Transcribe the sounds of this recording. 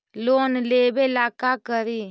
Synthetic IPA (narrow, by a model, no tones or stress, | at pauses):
loːnleːbelaːkakəɾiː